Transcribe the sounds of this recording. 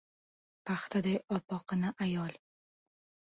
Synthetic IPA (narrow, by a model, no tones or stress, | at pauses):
pʰaχt̪ʰad̪ajɒpɒqɨnaʔajɒlˠ